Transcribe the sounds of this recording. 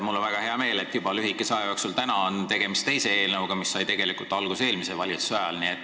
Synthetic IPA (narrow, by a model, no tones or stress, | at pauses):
mulːonvæɡ̥ɑhe̞ɑme̞ːle̞t̪ːˑjub̥ɑlyɦikːˑesɑejɑksult̪ænɑont̪e̞ɡ̥e̞mist̪t̪ejse̞e̞ːlnəuɡ̥ɑmisːɑjt̪e̞ɡ̥elikult̪ːɑlɡ̥use̞ːlmise̞vɑlʲit̪sɑjɑlniet̪ːˑ